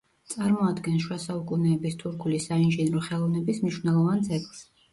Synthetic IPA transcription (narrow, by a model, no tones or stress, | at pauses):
t̪sʼaɾmɔad̪ɡɛnʃwasaukʼunɛːbist̪ʰuɾkʰulisainʒɛnɾɔχɛlˠɔvnɛbismniʃvnɛlˠɔvant̪zʰɛkʼlˠs